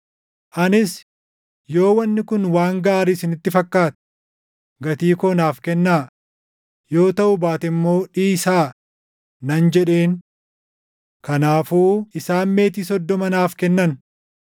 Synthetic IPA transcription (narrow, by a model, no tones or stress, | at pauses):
ʔɐnɪs | jo̞ːwɐnːɪkʊnwaːŋɡaːɾɪsɪnɪt̪ːɪfɐkːaːt̪ɛ̥ | ɡɐt̪iːkɔnaːfkɛnːaː | jo̞ːt̪ɐʔʊbaːt̪ɛmːo̞ːᶑiːsaː | nɐnd͡ʒɛᶑeːn | kɐnaːfuːɪsaːnme̞ːt̪iːsɔd̪ːɔmɐnaːfkɛnːɐn